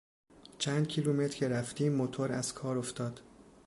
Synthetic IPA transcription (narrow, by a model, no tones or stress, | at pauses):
t͡ʃʰæːnd̪̚cʰiluːmet̪ʰɾcʰeɾæft̪iːmːot̪ʰoɾæz̥kʰɒːɾoft̪ɒːd̪̥